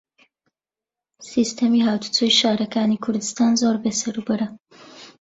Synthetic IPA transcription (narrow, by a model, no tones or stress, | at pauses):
siːst̪ʰɐmiːɦaːwt̪u̥t͡suːjʃaːɾɐkaːnikʰʊɾd̪ɨst̪aːnzoːɾbeːsɐɾubɨɾɐ